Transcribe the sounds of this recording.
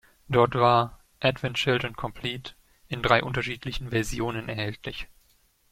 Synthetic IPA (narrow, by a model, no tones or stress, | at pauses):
d̥ɔɐtv̥aːɐ | ʔɛdv̥ɛntʃɪltʊntkʰɔmpʰliːt | ʔɪndʁaɪʔʊntɐʃiːtʰlɪçn̩vɛɐzjoːnənɛɐhɛltʰlɪç